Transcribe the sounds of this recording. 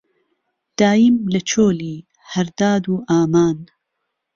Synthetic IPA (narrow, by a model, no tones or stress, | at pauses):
d̪̥aːjimlɐt͡ʃʰoːliː | hɐɾd̪aːd̪uːʔaːmaːn